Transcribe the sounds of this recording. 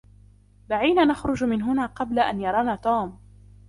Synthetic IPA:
baʕiːnaːnaxɾˤʊd͡ʒmɪnɦʊnaːqɑblaʔa̰njɑɾˤɑːnaːt̪uːm

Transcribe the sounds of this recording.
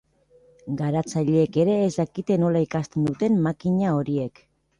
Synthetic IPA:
ɡaɾat͡saʎeːke̞ɾe̞ːzd̪akit̪e̞no̞laikast̪e̞nd̪ut̪e̞mmakiɲao̞ɾie̞k

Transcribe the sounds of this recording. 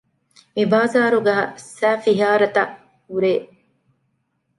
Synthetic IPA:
mibaːzaːɾuɡɐɦɐ̰sæːfiɦaːɾɐt̪ɐʔ | huɾeː

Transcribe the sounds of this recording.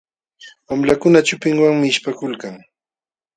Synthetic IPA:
wamlakʊnat͡ʃʊpɪŋwaŋmɪʃpakʊlkaŋ

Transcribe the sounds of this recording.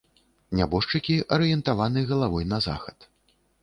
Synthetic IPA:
nʲabɔʂt͡ʂɨkʲiʔɐɾɨjɛnt̪avanɨɣɐlˠavɔjnɐza̰xɐ̥t̪

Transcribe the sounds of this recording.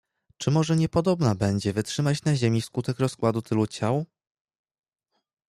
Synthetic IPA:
t͡ʂɘmɔʐɛɲɛpɔd̪ɔbnabɛɲd͡ʑɛvɘtʂɘmat͡ɕnaʑemʲiskut̪ɛkɾɔskwad̪ut̪ʰɘlut͡ɕaw

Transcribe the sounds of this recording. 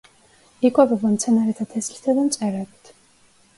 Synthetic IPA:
ikʷʼabɛbamt̪sʰɛnaɾɛt̪ʰat̪ʰɛslit̪ʰad̪amt̪t͡sʼɛɾɛbt̪ʰ

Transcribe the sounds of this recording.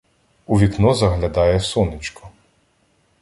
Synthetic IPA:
uʋʲiknɔzɐɦlʲɐd̪ɑjɛwsɔnɪt͡ʃkɔ

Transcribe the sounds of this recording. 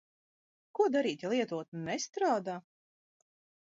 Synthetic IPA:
kuɔd̪aɾiːt̪ʲilˠiɛt̪uɔt̪nɛst̪ɾaːd̪aː

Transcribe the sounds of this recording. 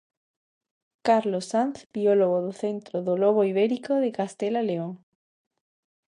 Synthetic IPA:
kaɾlosanθbioloɣoðoθent̪ɾoðoloɣ̞oiβeɾikoðekast̪elaleoŋ

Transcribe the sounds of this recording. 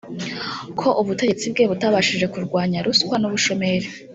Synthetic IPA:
kʰo̞ʔuβute̞et͡sib̚ɡe̞ːβutaβaʃiʒe̞kuɾɡwaːɲaɾuskwanuβuʃo̞me̞ɾe

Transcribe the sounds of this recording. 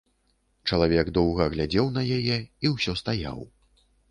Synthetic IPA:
t͡ʂɐlˠavʲɛɡd̪ɔwɣɐɣlʲad͡zʲɛwnɐjajɛiwsʲɔst̪aja̰w

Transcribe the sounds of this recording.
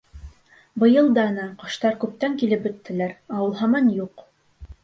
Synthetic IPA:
bɤ̆jɤlˠd̪ɑnɑqɤ̆ʃt̪ɑɾkʉp̚t̪æŋkilɘp̚bɵ̆t̪ːɘ̆læɾɑwɤ̆lˠɦɑmɑnjuq

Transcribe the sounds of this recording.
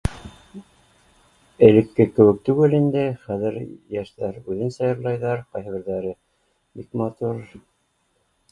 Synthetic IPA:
ɘ̆lɘ̆kːɘkɘ̆wɘ̆k̚t̪ʉɡɘlind̪ɘχæðɘɾjæʃt̪æɾʉðɘnsɑjɤ̆ɾlˠɑjðɑɾqɑjhɘ̆βɘ̆ɾðæɾɘ | bikmɑt̪uɾ

